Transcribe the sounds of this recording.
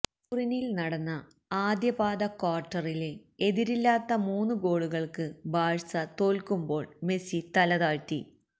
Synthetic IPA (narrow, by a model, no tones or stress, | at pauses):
purinilnɐɽɐnːɐ | aːd̪jɐbaːd̪ɐkaːrʈːɐrilee̞ðiɾilːaːt̪ːɐmuːnːuɡo̞ːɽuɣɐɭkɨbaːɻsɐt̪o̞ːlkumbo̞ːɭme̞sit̪ɐlɐðaːɻtːḭ